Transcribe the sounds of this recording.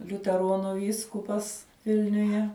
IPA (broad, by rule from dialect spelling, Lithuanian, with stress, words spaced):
lʲʊtʲɛˈroːnʊ ˈʋʲiːskʊpɐs ˈʋʲɪlʲnʲʊjɛ